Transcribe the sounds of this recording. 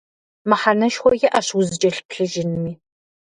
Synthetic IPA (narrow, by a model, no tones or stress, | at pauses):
mɐħanɐʃxʷɔjɛʔaɕwʊzɨd͡ʒʼɐɬpʰɬɨʒɪnmiː